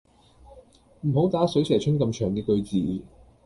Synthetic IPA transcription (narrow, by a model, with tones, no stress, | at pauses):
m̩˨˩ɦo˨˥wt̪aː˨˥sɵ˨˥ɥsʰɛː˨˩t͡ʃʰɵ˥nkɐ˧mt͡ʃʰœː˨˩ŋkɛː˧kɵ˧ɥt͡siː˨˩